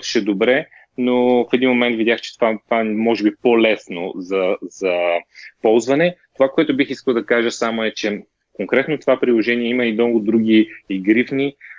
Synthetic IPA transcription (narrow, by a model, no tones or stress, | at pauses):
t̪ʃɛd̪obɾɛ | nofɛd̪inmomɛnt̪vid̪ʲaxt͡ʃɛ̥t̪ovat̪vamɔʒɛbipolɛsno̰zɐz̥ɐpɔlˠzvɐnɛt̪ovakoɛt̪ʊbixiskəlˠd̪ɐkaʒəsamoɛt͡ʃɛ | koŋkɾɛt̪not̪ovapɾilˠoʒɛniɛiməinɔɡʊd̪ɾuɡ̟ʲiiɡɾifni